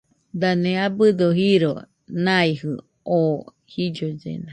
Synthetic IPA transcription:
d̪aneabɨd̪oɦiɾo | nãihɨ | o | hid͡ʒod͡ʒḛna

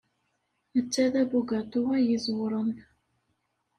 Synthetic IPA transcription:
ət͡sːæðæbuɡæt̪uʁæjizwɾˤən

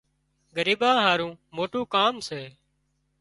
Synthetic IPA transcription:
ɡəɾiːɓãːɦaːɾũːmoːʈũːkaːmseː

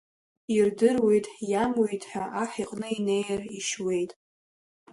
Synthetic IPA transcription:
irdɨrwe̞jtʼjamwejtʼħᶣaʔaħiqʼnɨine̞jriʃwe̞jtʼ

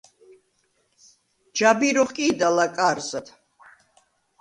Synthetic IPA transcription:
d͡ʒabiɾɔχkʼiːd̪alakʼaɾzat̪ʰ

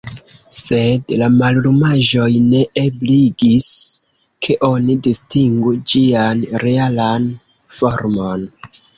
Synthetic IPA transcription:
se̞dlamallumaʒo̞jne̞ʔebliɡis | kʰe̞ʔo̞nidistiŋɡud͡ʒianɾe̞alan | fo̞ɾmo̞n

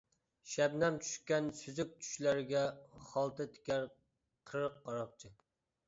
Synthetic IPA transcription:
ʃɛbnɛmt͡ʃʰy̥ʃkʲɛnsyzyk̚ʲt͡ʃʰy̥ʃlæɾɪɡʲɛχɑlˠt̪ʰɨt̪ʰɪ̥kʲæɾ | qʰəɾəqːɑɾɑq̚t͡ʃʰɪ

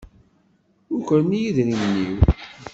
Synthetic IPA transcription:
ʊɾkəɾmijiðɾimənːiw

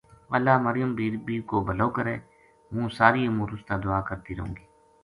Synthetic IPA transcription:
əlːaːməɾɪjəmbiːɾbiːɾkoːbəloːkəɾeː | ɦũːsaːɾiːəmũːɾʊst̪aːd̪ʊaːkəɾt̪iːɾəɦõ̰ːɡiː

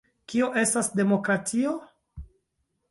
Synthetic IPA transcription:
kioʔe̞stasde̞mo̞kɾatʰio

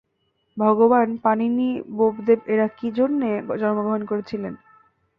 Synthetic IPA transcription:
bʱɔɡobanpaninibobd̪ebeɾakid͡ʑonːed͡ʑɔnmoɡoɦonkoɾet͡ɕʰilen

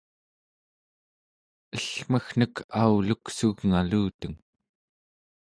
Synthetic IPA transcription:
əɬm̥əxn̥əkʰauluksuɣŋaluːt̪əŋ

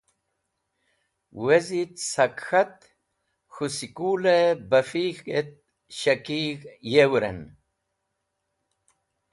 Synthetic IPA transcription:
wezit̪sɐkxat̪ | xusikulebɐfixɡet̪̚ | ɕɐkiɣjewɾḛn

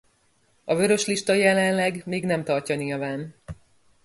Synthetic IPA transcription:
ɒvø̞ɾø̞ʃliʃt̪ɒjɛlɛnlɛɡmeːɡnɛmt̪ɒrcɒniːlvaːn

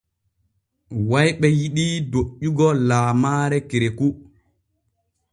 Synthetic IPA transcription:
wajɓɛjiɗidoʔːuɡɔlaːmaːɾɛkiɾeku

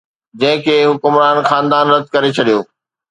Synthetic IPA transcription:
d͡ʑɐ̃ɦɪ̃kʰeːɦʊkʊmɾaːnxaːnd̪aːnɾɐd̪̚ʱkɐɾet͡ɕʰɐɗijoː

